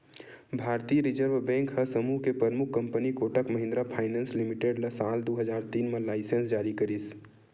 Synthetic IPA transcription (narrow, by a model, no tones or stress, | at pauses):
bʱaːɾt̪iɾid͡ʒəɾʋbɛ̃ːŋkhəsəmuɦkepɾəɾmukːə̃mpənikoːʈəkməɦɪ̃nd̪ɾapʰaːɪnɛ̃ːnslimiʈeɖlɐsaːld̪oɦəd͡ʒaːɾt̪iːnmẽlaːɪsə̃nsd͡ʒaːɾikəɾis